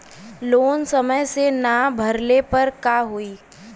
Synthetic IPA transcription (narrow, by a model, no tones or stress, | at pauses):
loːnsɐməjsenabʱɐɾlepɐɾkaːɦoiː